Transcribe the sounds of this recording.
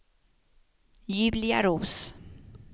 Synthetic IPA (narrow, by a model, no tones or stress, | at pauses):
jyblia̰ɾus